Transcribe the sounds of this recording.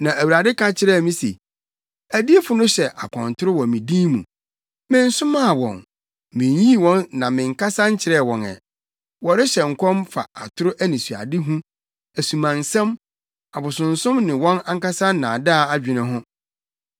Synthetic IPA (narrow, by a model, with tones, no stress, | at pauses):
nã˨æ˨wa˨dɪ˦kʰã˦t͡ɕʰɪ˦ɾɛ˦˨mĩ˦sḛ˨ | æ˨di˦e˦fʊ˨nʊ̃˦ɕɛ˨ʔa̰˨kʷʰɔ̰̃˨n˨tʰʊ˦ɾʊ˦wɔ̃˨mĩ˨dĩ˦mṵ̃˨ | mɪ̃˦n̩˦sʊ̃˦mã˦˨wɔ̰̃˨n | mɪ̃˨ɲjĩ˦˨wɔ̃˦nːã˨mɪ̃˨ŋ̩˨ka˦sã˦ɲ̩˦t͡ɕʰɪ˨ɾɛ˦˨wɔ̃˨nɛ̰˨ | wɔ˨ɾɪ˦ɕɛ˨ŋ̩˨kʰɔ̃˦mfa̰˨a˨tʰʊ˦ɾʊ˦ʔæ˦nĩ˨su˨a̰˨dɪ˦ɦũ˦ | æ˨sũ˨mã˨n˨sɛ̃˦m | a˨bʊ˨sʊ̃˨n̩˨sʊ̃˦mnɪ̃˨wɔ̃˦nã˦ŋ̩˦ka˦sa˦nã˨da˦˨a˦d͡ʑᶣɪ˨nɪ̃˦ɦʊ̃˦